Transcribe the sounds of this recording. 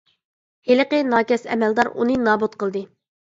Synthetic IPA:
heləqənɑːkʲɛsɛ̰mɛld̪ɑɾunɨnɑːbut̪̚qʰəlˠd̪ɨ

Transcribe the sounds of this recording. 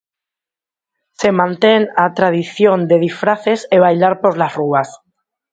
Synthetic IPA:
se̞mãnt̪enat̪ɾað̞iθjond̪e̞ð̞ifɾaθe̞seβ̞ajlaɾpo̞zlasruas

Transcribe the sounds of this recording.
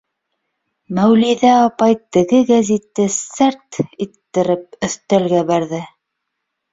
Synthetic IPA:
mæwliðæɑpɑjt̪ɘ̆ɡɘɡæzʲit̪ːɘsɘɾt̪it̪ːɘ̆ɾɘp̚ɵ̆θt̪ælɡæbæɾðɘ

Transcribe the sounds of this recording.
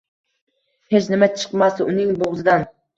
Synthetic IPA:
het͡ʃnɪmɛt͡ʃʰɨ̥qmɑsunɪŋboʁzɨd̪ɑn

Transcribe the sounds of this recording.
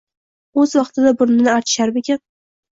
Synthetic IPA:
ɵzwɑqt̪ʰɪd̪abʊɾnɪnɪaɾt͡ʃ̪ʰɪ̥ʃaɾbekʲan

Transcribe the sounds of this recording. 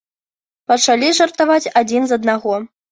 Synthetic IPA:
pɐt͡ʂalʲiʐɐrt̪avat͡sʲad͡zʲinzɐd̪̚naɣɔ

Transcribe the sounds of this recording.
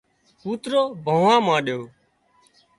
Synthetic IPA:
puːt̪ɾoːbʱə̃ːʋãːmãːɗjoː

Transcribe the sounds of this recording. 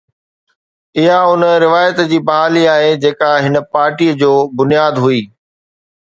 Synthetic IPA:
ɪɦaʊnəɾɪʋaːjət̪d͡ʑiːbɐɦaːliaːɦed͡ʑeːkaɦɪnəpaːɾʈiːəd͡ʑoːbʊnijaːd̪ɦʊiː

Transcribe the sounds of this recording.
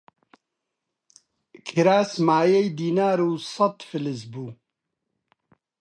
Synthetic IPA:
kʰiɾaːsmaːjejd̪iːnaːɾuːsɐt̪fɨlɪzbuː

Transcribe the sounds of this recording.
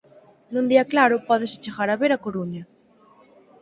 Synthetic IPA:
nũnd̪iaklaɾopɔðeset͡ʃeɣaɾaβeɾakoɾuɲa

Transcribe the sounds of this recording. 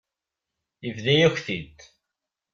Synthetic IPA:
ivðæjæçʷθid̪

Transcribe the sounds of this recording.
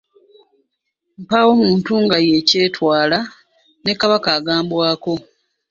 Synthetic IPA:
m̩paːwo̞muːntuːŋɡaje̞ce̞ːtwaːla | ne̞kaβakaːɡaːmbwaːko̞

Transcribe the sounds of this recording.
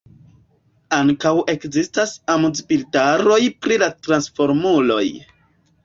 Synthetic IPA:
aŋkawʔe̞kzistasamuzpiltaɾo̞jpɾilatɾansfo̞ɾmulo̞̰j

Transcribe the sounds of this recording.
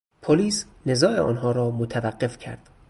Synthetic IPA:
pʰoliːsne̞zɒːʔeɒ̰ːnɦɒːɾɒːmot̪ʰævæɢːe̞fcʰæ̰ɾd̪̥

